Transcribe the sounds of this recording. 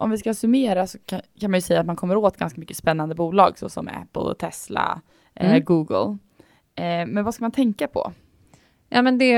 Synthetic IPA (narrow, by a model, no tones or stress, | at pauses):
ʔɔmvɪskasɵmeːɾasɔ̥kʰanmanjɵsɛjːat̪mankʰɔmːəɾoːt̪ɡanskamʏkːə̥spɛnːand̪əbuːlɑ̰ːɡsɔ̰sɔ̰mæ̰pːəlɔ̰t̪ʰɛsla̰ | ʔɛlːəɡuːɡə̰l | mɛnvaskamant̪ʰɛŋkapʰɔ̰ | jɑːmɛnd̪ɛ